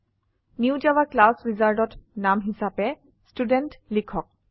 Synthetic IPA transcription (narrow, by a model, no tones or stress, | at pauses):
niwd͡ʒawaklasɹizaɹdɔtnamɦisapɛ | studɛntlikʰɔk̚